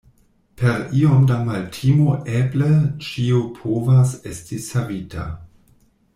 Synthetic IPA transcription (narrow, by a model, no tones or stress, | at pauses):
pʰe̞ɾiomdamaltʰimoʔeblet͡ʃiopʰovasestisavitʰa̰